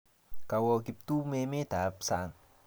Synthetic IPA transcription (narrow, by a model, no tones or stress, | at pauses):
kawɔkip̚t̪umemed̪̥apsaŋ